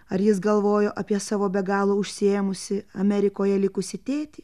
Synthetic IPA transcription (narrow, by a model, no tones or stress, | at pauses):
ɐɾjɪsɡɐlˠʋoːjoːʔɐpʲiɛsɑːʋoːbʲɛɡɑːlˠoʊʃʲsʲɪeːmʊsʲɪɐmʲɛɾʲɪkoːjɛlʲɪkʊsʲɪt̪ʲeːt̪ʲiː